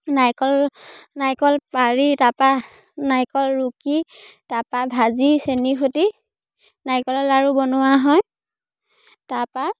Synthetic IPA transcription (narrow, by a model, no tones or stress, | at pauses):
najkɔlnajkɔlpaɹitapa | najkɔlɹukitapabʱazisenixoti | najkɔlɔlaɹubɔnʊwaɦɔj | tapa